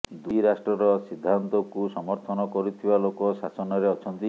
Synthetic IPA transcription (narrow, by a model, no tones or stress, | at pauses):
d̪uɾasʈɾɔɾɔsid̪ʱːant̪ɔkusɔmɔɾt̪ʰɔnɔkɔɾut̪ʰibalokɔsasɔnɔɾeɔt͡ʃʰɔnt̪i